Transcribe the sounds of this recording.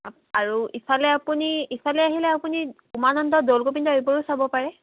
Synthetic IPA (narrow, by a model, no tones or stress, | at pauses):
aɹuisalɛapuniisalɛaɦilɛapuni | umanɔndɔdolkopindɔibɔɹusabɔpaɹɛ